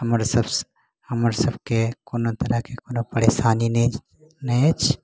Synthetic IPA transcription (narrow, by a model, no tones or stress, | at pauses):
ɐməɾsɐbs | hɐməɾsɐbkekoːnot̪ɐɾakekoːnopɐɽeːsaːnine | net͡ʃʰ